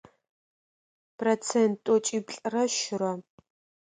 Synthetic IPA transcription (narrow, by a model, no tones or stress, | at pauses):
prot͡sʰentʼɔt͡ʃʼibɬʼrɐʃɪɾɐ